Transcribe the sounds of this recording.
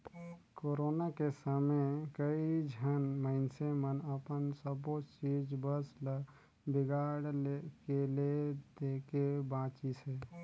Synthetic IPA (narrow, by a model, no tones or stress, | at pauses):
koːɾoːnakesaːmekəid͡ʒʱənməɪnsemənəpənsəboːt͡ʃt͡ʃiːd͡ʒbəsl | bɪɡaːɽkeled̪eːkebãːt͡ʃisɦeː